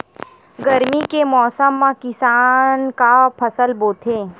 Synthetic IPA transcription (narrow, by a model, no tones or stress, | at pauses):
ɡɐɾmikemɔːsəmːãkɪsaːnkapʰɐsəlboːt̪ʰẽː